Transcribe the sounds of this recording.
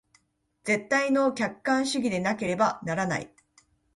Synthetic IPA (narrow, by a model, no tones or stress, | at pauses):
d͡ze̞t̪ːaino̞kʲakːãɰ̃ɕɨɡʲid̪e̞nake̞ɾe̞banaɾana̰ḭ